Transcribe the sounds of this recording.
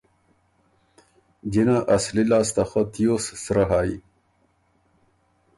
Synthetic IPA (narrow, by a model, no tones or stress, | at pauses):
d͡ʑinaʔɐslilaːst̪ɐxat̪ijossɾɐɦaːi